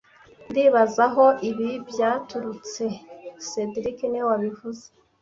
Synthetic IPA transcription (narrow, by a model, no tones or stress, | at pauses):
ndiːβazaɦo̞iβibjaːtuɾut͡se̞sedɾikenewaβivuze̥